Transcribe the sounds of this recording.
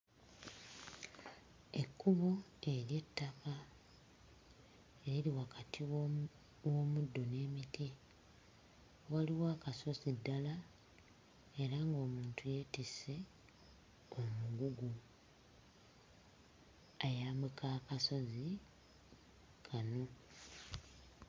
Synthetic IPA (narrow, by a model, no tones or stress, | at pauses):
e̞kːuβoe̞ɾje̞tːaka | eɾiliwakatʰiw | wo̞mudːo̞ne̞ːmiti | waliwaːkaso̞zidːala | e̞ɾaŋɡo̞ːmuːntuje̞tise̞ | o̞muɡuɡu | ajaːmbekaːkaso̞zi | kʰano̞